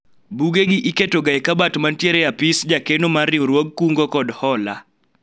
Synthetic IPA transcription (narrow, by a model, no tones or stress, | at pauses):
buɡeɡɪʔiketoɡaɛkabatmantjeɾɛjapɪsd͡ʒakenomarɪɾwoɡkuŋɡɔkɔdhɔla